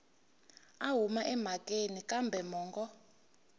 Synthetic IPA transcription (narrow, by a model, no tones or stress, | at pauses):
aɦumaʔɛm̤akʼenikʼambʱɛmɔːŋɡɔ